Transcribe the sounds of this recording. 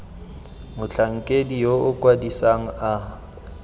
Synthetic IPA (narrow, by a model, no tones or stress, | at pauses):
mʊt͡ɬʰaŋ̩kʼedijoʊkʼwadisaŋ̩a